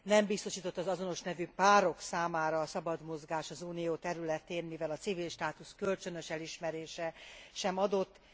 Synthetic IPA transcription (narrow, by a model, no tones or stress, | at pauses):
nɛmbist̪o̞ʃiːt̪o̞t̪ːɒzɒzo̞no̞ʃnɛvypaːɾo̞ksaːmaːɾɒːsɒbɒd̪mo̞zɡaːʃɒzuːnijoːt̪ɛɾylɛt̪eːnmivɛlɒt̪sivilʃt̪aːt̪uskø̞lt͡ʃø̞nøʃɛliʃmɛɾeːʃɛʃɛmɒd̪o̞t̪ː